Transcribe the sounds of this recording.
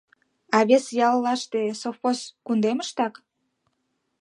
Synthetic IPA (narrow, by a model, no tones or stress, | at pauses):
ɑβesjɑlːɑʃt̪esofoskund̪eməʃt̪ɑk